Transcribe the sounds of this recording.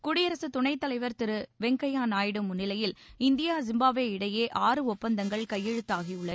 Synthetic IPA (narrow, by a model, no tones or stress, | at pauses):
kʊɽɪjɐɾɐsɯt̪ʊɳɐɪt̪ːɐlɐɪʋɐɾt̪ɪɾɯʋɛŋkɐjaːnaːjɪɽɯmʊnːɪlɐjɪlɪnd̪ɪjaːzɪmbaːʋeːɪɽɐjeːʔaːrɯɔpːɐnd̪ɐŋɡɐɭkɐjːɛɻɯt̪ːaːɣiʊɭːɐ